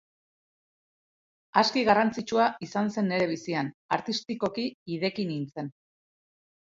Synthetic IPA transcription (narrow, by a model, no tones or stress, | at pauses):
askiɣarant͡sit͡ʃuaisanse̞ne̞ɾe̞β̞isianaɾt̪ist̪iko̞kiːðe̞kinint͡se̞n